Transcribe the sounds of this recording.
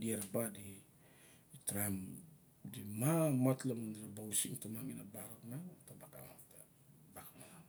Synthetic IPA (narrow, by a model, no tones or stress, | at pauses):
diaɾabadi | tɾam | dimamatlamandiɾabausimtamaŋinabaɾaknatabakamata | bakamana